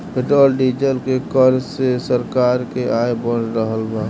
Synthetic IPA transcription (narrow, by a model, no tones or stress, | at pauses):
bɪʈəːlɖid͡ʒəlkekəɾsesəɾkaːɾkeʔaːebɔ̃ːt͡ʃɾəɦəlbaː